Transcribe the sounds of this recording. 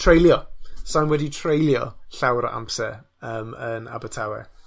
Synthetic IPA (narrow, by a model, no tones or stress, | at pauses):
tʰrejlˠjɔsanwɛditʰr̥ejlˠjɔ̰ɬawɾɔʔa̰mpsɛ | əːməna̰bətʰawɛ̰